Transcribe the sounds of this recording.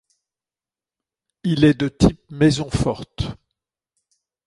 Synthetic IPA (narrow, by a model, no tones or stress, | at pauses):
ilɛd̪ət̪ʰip̚mɛzɔ̃fɔʁt̪